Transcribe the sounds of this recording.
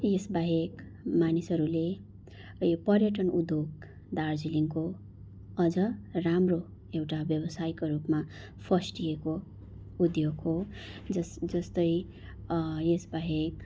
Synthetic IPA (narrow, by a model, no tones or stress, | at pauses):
jesbaɦeɡ | manisʌɾule | pʌrjʌʈʌnud̪joɡ | d̪ard͡ziliŋko | ʌd͡zʌramro | ewʈabjʌbʌsajkoɾupma | pʰʌsʈijeko | ud̪joɡɦoʌd͡zʌst̪ʌj | jesbaɦeɡ